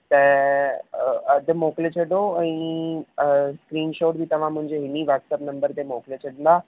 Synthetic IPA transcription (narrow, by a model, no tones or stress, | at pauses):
t̪ɛ | d̪emoklet͡ɕʰəɖoaɽ̃i | skɾiːnɕoʈ̚bʱiːt̪əʋ̤ãm̤əɳd͡zeɦiniʋəʈsəpnəmbəɾt̪emoklet͡ɕʰəɽla